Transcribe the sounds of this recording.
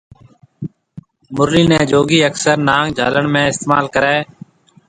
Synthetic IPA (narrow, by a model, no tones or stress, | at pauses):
mʊɾliːnɛ̃ːd͡ʒoːɡiːəksəɾnãːŋd͡ʒʱa̰ːləɳmẽːɪst̪eːmaːlkəɾɛː